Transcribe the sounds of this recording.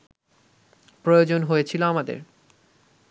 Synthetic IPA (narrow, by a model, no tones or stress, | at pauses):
pɾojod͡ʑonɦojet͡ɕʰiloamad̪ḛɾ